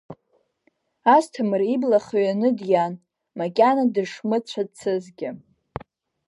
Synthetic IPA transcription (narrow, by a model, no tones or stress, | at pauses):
astʰamɨriblaχaɥanɨdjan | makʲʼanadɨʂmɨt͡ɕʷʰadt͡sʰɨzɡʲɪ